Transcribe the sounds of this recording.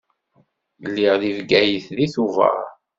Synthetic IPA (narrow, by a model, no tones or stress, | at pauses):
lːiʁðivɡæjiθliθuvə̰ʁ